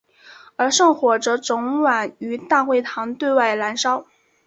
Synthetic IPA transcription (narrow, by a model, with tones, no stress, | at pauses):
ə˞˧˥ʂɤ˥˩ŋxwɔ˨˩ʈ͡ʂɤ˧˥ʈ͡ʂʊ˧˥ŋwa˨˩ny˧˥t̪a˥˧xwe˥˩ɪt̪ʰɑ˧˥ŋt̪we˥˧ɪwa˥˩ɪla˧˥nʂɑ˥ʊ